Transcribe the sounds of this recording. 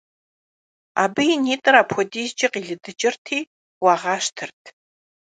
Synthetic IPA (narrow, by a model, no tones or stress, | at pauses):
a̰ːbɨjineːtʼɨraːpʰxʷɔdiːzd͡ʒɪqʼiɮɨdɨd͡ʒʼɪrtʰiː | waʁaːʃtʰɨrtʰ